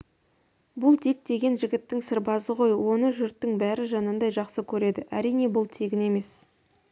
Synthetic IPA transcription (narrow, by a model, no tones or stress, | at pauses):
bʊlˠt̪ik̚d̪e̞ɡʲe̞nʒɪɡʲɪt̪ːɪŋsɪɾbɑzəʁo̞jwo̞nəʒʏɾt̪ːɪŋbæɾɪʒɑnənd̪ɑjʒɑqsəkʲʰɵɾe̞d̪ɪʔæ̰ɾijne̞bʊlˠt̪ʰeɡʲɪne̞me̞s